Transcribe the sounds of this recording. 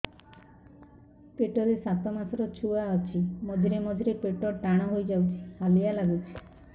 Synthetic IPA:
peʈɔɾesat̪ɔmasɔɾɔt͡ʃʰuaɔt͡ʃʰimɔd̪ʱiɾemɔd̪ʱiɾepeʈɔʈaɽ̃ɔɦojd͡ʒawt͡ʃʰi̥halijalaɡut͡ʃʰi̥

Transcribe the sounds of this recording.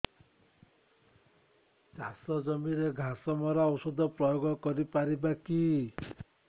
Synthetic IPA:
t͡ʃasɔd͡ʒɔmiɾeɡʱasɔmɔɾɔɔwsud̪ʱɔpɾɔjoɡɔkɔɾipaɾibaki

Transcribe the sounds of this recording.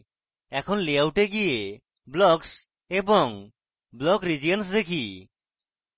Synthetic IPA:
ɛkʰɔnleawʈeɡije | blɔks | ebɔŋ | blɔkɾid͡ʒijəns̬d̪ekʰi

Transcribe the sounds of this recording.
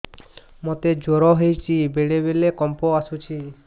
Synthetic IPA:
mot̪ed͡ʒoɾɔɦejt͡ʃʰibeɽebelekɔmpɔasut͡ʃʰi

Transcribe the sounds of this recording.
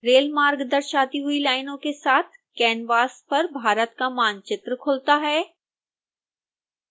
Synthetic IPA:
ɾeːlmaːɾɡd̪ɐɾʃaːt̪iɦʊilaːɪnõkesaːt̪ʰkɛːnʋaːspɐɾbʱaːɾət̪kamaːnt͡ʃɪt̪ɾəkʰʊlt̪aɦɛː

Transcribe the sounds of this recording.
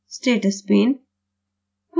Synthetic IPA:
sʈeːʈəspeːn | k

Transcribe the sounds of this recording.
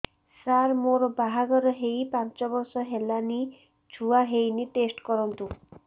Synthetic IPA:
saɾmoɾɔbaɦaɡɔɾɔɦejpãnt͡ʃɔbɔɾsɔɦelani | d͡ʒʰuaɦejnit̪esʈkɔɾɔnt̪u

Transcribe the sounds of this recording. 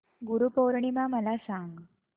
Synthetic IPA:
ɡuɾupowɾɳimaməlasaŋɡ

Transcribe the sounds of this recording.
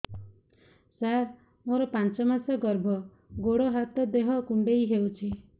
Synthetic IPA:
saɾ | moɾɔpant͡ʃɔmasaɡɔɾbʱɔ | ɡoɽoɦat̪ɔd̪eɦɔkuɳɖejɦewt͡ʃʰi

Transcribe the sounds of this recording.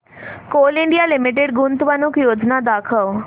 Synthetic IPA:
koːlɪɳɖijaːlɪmɪʈeɖɡʊnt̪ʋənʊkjoːd͡ʒnad̪aːkʰəʋ

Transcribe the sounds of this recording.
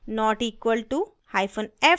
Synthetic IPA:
nɔːʈiːkʋəlʈu | hajfə̃nɛ

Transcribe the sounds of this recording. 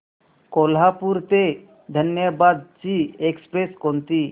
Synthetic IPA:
kolɦapuɾt̪e | d̪ʱənjəbad̪̚t͡ʃiekspɾeskont̪i

